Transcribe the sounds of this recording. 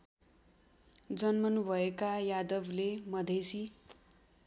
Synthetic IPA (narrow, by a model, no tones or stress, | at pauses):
d͡zʌnmʌnubʱʌekajad̪ʌblemʌd̪ʱesi